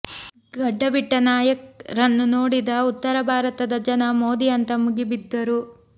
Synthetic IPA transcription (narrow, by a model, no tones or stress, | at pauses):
ɡɐɖːɐʋiʈːɐnaːjɐk̚ɾɐnːunoːɽid̪ɐut̪ːɐɾɐbʱaːɾɐt̪ɐd̪ɐd͡ʒɐnɐmoːd̪ijɐnt̪ɐmuɡibid̪ːɐɾu